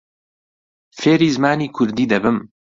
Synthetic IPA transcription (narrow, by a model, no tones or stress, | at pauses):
feːɾiːzmaːniːkʰʊɾd̪iːd̪ɐbɨm